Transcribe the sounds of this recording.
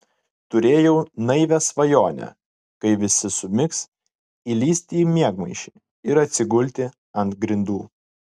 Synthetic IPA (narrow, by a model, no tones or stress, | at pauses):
t̪ʊɾʲeːjɛʊnɐɪʋʲɛsʋɐjoːnʲɛ̰ | kɐɪʋʲɪsʲɪsʊmʲɪks | ilʲiːsʲt̪ʲiːmʲiɛɡmɐɪʃʲiː | ɪɾɐt̪ʲsʲɪɡʊlʲt̪ʲɪ | ɐnt̪ɡɾʲɪnd̪uː